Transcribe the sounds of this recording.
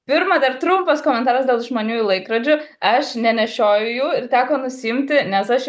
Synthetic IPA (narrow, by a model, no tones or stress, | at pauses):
pʲɪɾmɐd̪ɐrt̪ɾʊmpɐskoːmʲɛnt̪ɑːɾɐsd̪ʲeːlˠʒmoːnʲuːɪlˠɐɪkɾɐd͡ʒʲʊ | ɐʃnʲɛnʲɛʃʲoːjʊjuːɪrt̪ʲæːkoːnʊsʲɪɪmʲt̪ʲɪnʲɛsɐʃ